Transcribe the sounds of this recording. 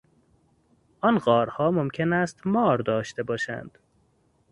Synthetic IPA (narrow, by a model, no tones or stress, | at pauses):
ʔɒnɢɒːɾhɒːmomckʰenæst̪mɒːɾd̪ɒːʃt̪e̞bɒːʃæ̰nd̪̥